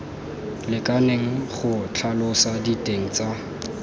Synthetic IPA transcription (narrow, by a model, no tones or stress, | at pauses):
lɪkʼaneŋ̩χʊt͡ɬʰalʊsaditʼeŋ̩t͡sʼa